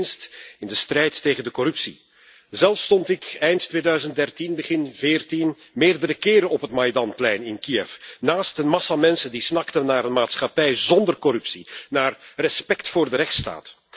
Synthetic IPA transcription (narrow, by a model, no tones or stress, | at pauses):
nstɪndəstrɛjtːeːɣəndəkɔɾɵpsḭ | zɛlˠfstɔntɪkɛjnttːʋeːdœɥzən̚dɛrtinbəɣɪnvɪːrtin | meːrdəɾəkɪːɾənɔpɦətmajdɑnplɛjnɪnkiɛfnaːstənmɑsamɛnsəndisnɑktənːaːɾənmaːtsxɑpɛjzɔndərkɔɾɵpsinaːrrɛspɛktfʊːrdəɾɛxtsta̰ːt